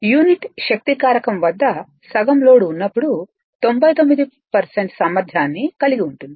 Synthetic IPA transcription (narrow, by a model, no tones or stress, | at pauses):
juːniʈʃɐk̚t̪ikaːɾɐkɐmʋɐd̪ːɐ | sɐɡɐmlo̞ːɽuːnːɐpːuɽu | t̪o̞mbʱɐjt̪o̞mːid̪i | pɐɾseɳʈsɐmːɐɾd̪ʱjaːnːikɐliɡiuɳʈund̪ii̥